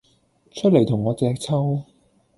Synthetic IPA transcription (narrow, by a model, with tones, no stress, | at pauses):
t͡ʃʰɵ˥t̚le˨˩jt̪ʰʊ˨˩ŋːɔː˨˧t͡sɛː˧k̚t͡sʰɐ˥w